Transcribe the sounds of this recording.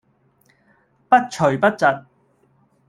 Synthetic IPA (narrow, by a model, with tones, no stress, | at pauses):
pɐ˥t̚t͡ʃʰɵ˨˩ɥpɐ˥t̚t͡sɐ˨t̚